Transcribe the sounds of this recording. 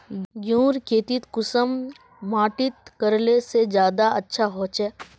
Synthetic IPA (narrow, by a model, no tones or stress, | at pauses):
ɡjũːɾkʰeːt̪it̪kʊsəmː | aːʈɪt̪kɐɾlesed͡ʒjaːd̪aɐtːʃʰaɦõːt͡ʃɛː